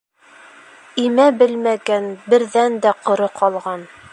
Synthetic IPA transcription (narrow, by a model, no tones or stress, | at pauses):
imæbɘlmæɡænbɘ̆ɾðænd̪æqŏɾɤqʰɒlˠʁɑn